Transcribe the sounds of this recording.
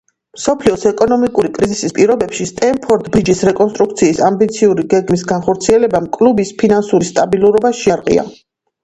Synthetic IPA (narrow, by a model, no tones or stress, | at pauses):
msɔpʰliɔsɛkʼɔnɔmikʼuɾikʼɾizisispʼiɾɔbɛpʃist̪ʼɛmpʰɔɾd̪bɾid͡ʒisɾɛkʼɔnst̪ʼɾukt̪sʰiːsambit̪sʰiuɾiɡɛɡmis̬ɡanχɔɾt̪sʰiɛlɛbamkʼlubispʰinansuɾist̪ʼabilˠuɾɔbaʃiaɾqʼḭa̰